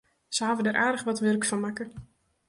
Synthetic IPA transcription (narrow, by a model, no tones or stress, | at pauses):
səavədəɾʔaːdəχʋɔtʋørkfɔnmakə